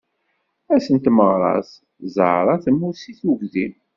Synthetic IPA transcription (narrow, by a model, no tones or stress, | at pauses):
æsənt̪məʁɾˤɑ̰s | zə̰ɾˤɑθəmːʊsiθuɡðim